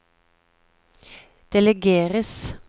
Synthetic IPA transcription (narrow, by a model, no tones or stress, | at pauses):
d̪̥ɛlɛɡeːʁəs